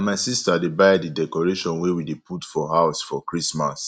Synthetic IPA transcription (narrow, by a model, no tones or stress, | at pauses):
maɪsistadebajdidɛkɔɹeʃɔ̃nwewidepʰutfɔɦaʊsfɔkɹismas